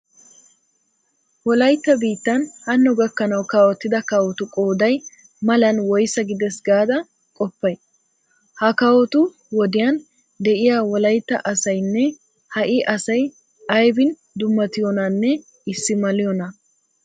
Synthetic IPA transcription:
wɔlɐjt̪ːɐbiːt̪ːɐnhɐnːɔɡɐkːɐnɐwkɐwɔt̪ːɪd̪ɐkɐwɔt̪ʊkʼo̞ːd̪ɐj | mɐlɐnwɔjsɐɡɪd̪ɛsɡaːd̪ɐ | kʼɔpːɐj | hɐkɐwɔt̪ʊ | wɔd̪ɪjɐn | d̪ɛʔɪjaːwɔlɐjt̪ːɐ̰ʔɐsɐjnːɛ | hɐʔɪʔɐsɐj | ʔɐjbɪn | d̪ʊmːɐt̪ɪjɔnɐnːɛ | ɪsːɪmɐlɪjɔnɐ

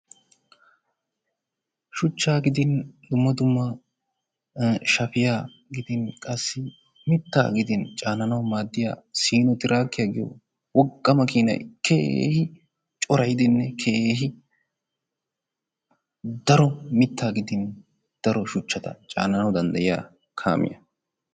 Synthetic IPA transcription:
ʃʊt͡ʃːaːɡɪd̪ɪnd̪ʊmːɐd̪ʊmːɐ | ʃɐfɪjaː | ɡɪd̪ɪnkʼɐsːɪ | mɪt̪ːa̰ːɡɪd̪ɪnt͡ʃʼaːnɐnɐwmaːd̪ːɪja̰ːsiːnɔt̪ɪɾʔaːkːɪjaːɡɪjɔ̰ | wɔkʼːɐmɐkiːnɐ̰jkʰḛhɪ | t͡ʃʼɔɾɐjd̪ɪnːɛkʰeːɦɪ | d̪ɐɾɔmɪt̪ːaːɡɪd̪ɪn | d̪̥ɐɾɔʃʊt͡ʃːɐt̪ɐ̰t͡ʃʼa̰ːnɐnɐwd̪ɐnd̪ɐjɪja̰ː | kʰa̰ːmʔɪ̰jɐ̰

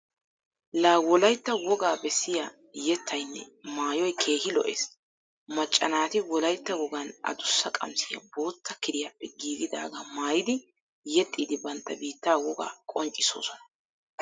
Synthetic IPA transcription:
laːwɔlɐjt̪ːɐwɔɡaːbɛsːɪja | jɛt̪ʰːɐjnːɛ̰maːjɔjkʰe̞ːhɪlɔ̰ʔḛːs | mɐt͡ʃʼːɐnaːt̪ɪwɔlɐjt̪ːɐwɔɡɐnɐ̰d̪ʊsːɐkʼɐ̰msɪjɐ̰bo̞ːt̪ʰːɐkɪd̪ɪjapːɛɡiːɡɪd̪a̰ːɡɐmaːjɪd̪ɪ | jɛt̪ʼːiːd̪ɪbɐnt̪ːɐbiːt̪ːaːwɔɡa̰ːkʼɔnt͡ʃʼːɪso̞̰ːsɔnɐ̥

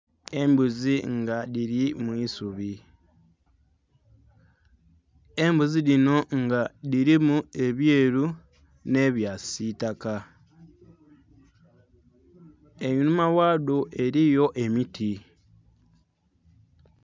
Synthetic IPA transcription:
e̞mbuziŋɡaðiɾimwiːsuβi | e̞mbuziɾino̞ŋɡaðiɾimue̞βje̞ːɾu | ne̞βjasitaka | eɲunumawaːdoʔe̞ɾijo̞ʔe̞mitʰi

